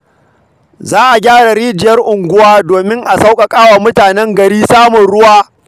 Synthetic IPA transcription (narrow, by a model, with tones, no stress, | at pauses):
zaː˦ʔa˨ɡʲaː˦ɽa˨ɽiː˦d͡ʒɪ˨jɐ˦rʔʊ˨ŋɡʷʊ˦waː˦doː˨mɪ˦ŋʔa˨sa˦wkʼa˨kʼaː˦waː˨mʊ˦taː˨nɛ˦ŋɡɐ˨ɽiː˦saː˦mʊ˨nɽʊ˦waː˦